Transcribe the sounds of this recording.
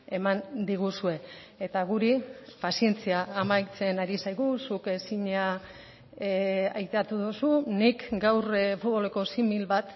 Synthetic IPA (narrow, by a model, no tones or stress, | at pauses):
e̞mand̪iɣ̞usue̞et̪aɣ̞uɾipasie̞nt͡siaːmajt͡se̞naɾisajɣusuke̞siɲa | ajt̪eat̪uðusunikɡawrfut̪βo̞le̞ko̞similβat̪